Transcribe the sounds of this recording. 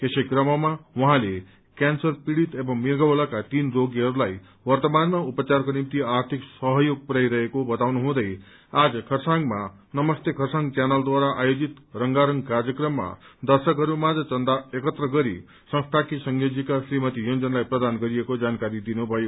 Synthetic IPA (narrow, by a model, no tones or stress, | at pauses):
kesekrʌmʌmawʌɦãle | kansʌrpiɽit̪ebʌŋmiɡʌwlakat̪inroɡiɦʌɾulaj | wʌrt̪ʌmanmaupʌt͡sarkonimt̪iaɾt̪ʰiksʌɦʌjoɡ̚puɾajɾʌɦekobʌt̪awnuɦũd̪ʌj | ad͡zʌkʰʌrsaŋɡma | nʌmʌst̪ekʰʌrsaŋt͡sanʌld̪waɾaʔajod͡zit̪rʌŋɡaɾʌŋɡkarjʌkrʌmːa̰d̪ʌrsʌkɦʌɾumad͡zʌt͡sʌnd̪aekʌt̪rʌɡʌɾi | sʌ̃ŋst̪ʰakisʌŋjod͡zikasrimʌt̪ijond͡zʌnlajprʌd̪anɡʌɾiekod͡zankaɾid̪inubʱʌjo